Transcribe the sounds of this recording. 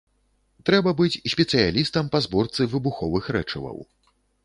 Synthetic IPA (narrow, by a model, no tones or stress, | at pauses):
t̪ɾɛbɐbɨt͡sʲsʲpʲɛt̪sɨjalʲist̪ɐmpazbɔrt̪sɨvɨbuxɔvɨxɾɛt͡ʂɐvɐ̰w